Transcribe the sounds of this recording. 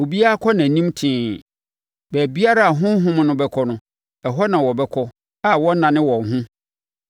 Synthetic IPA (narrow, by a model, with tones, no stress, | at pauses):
o˨bi˦a˦kʰɔ˦nã˨nĩ˦mtʰĩː˦ | bæ˨bi˦a˦ɾa˦a˨ɦʊ̃˦ɦʊ̃˦m˦nʊ̃˦bɛ˦kʰɔ˦nʊ̃˦ | ɛ˨ɦɔ˦nã˨wɔ˨bɛ˦kʰɔ˦ | a˨wɔ˦nã˨nɪ̃˦wɔ̃˨ŋ˨ɦʊ̃˦